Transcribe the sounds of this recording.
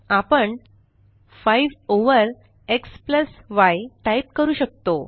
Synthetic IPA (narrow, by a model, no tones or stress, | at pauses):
apəɳ | faiʋoʋəɾ | ekspləsʋajʈaip̚kəɾuːɕək̚t̪o